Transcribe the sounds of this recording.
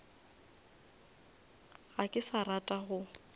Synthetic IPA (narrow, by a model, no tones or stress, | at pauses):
ɣakʼɪsaratʼaɣʊ